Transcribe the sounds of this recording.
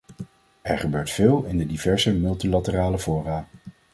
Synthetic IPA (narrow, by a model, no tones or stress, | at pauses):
ɛɹχəbøːɹtfɪːlˠɪndədivɛɹzəmɵlˠtilɑtəraːləvʊːraː